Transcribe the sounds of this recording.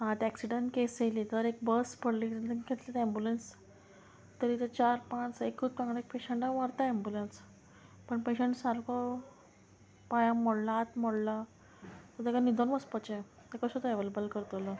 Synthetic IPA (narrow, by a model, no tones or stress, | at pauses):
ɦãt̪æksiɖəɳʈkeselit̪əɾek̚bəspʰəɽliːət̪ikʰet̪lat̪embulens | t̪əɾit̪et͡ɕaɾpãt͡sekːut̪kãŋɡlaek̚peɕəɳʈaʋaɾt̪aembulens | pəɳpeɕəɳʈsaɾkɔ | pajãmɔɽlat̪məɽla | t̪ət̪ekanid̪ʱonməspət͡ɕe | t̪ekəsət̪əeʋelebəlkəɾt̪olə